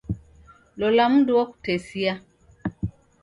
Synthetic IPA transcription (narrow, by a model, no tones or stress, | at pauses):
lolam̩duwɔku̥tesia